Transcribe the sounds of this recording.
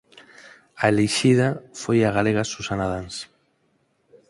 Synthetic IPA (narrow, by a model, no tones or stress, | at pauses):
aeleʃiðafojaɣ̞aleɣasusanað̞ans